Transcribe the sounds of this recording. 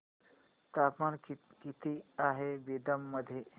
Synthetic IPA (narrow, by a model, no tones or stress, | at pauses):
t̪apmankit̪iaɦebid̪əmːəd̪ʱːje